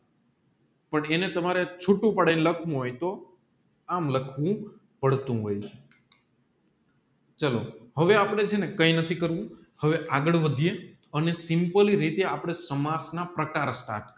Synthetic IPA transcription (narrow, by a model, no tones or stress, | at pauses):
pəɳenet̪əmaɾet͡ʃʰuʈũpəɽainləkʰʋũɦojt̪o | amləkʰʋũ | pəɽt̪ũɦoj | t͡ʃəlohəʋeapɽ̃ed͡ʒenekəinət̪ʰikəɾʋũ | həʋeʔaɡəɭʋəd̪ʱie | ənesɪmpəliɾit̪eapɽ̃esəmasnapɾəkaɾsʈa̰ʈ̚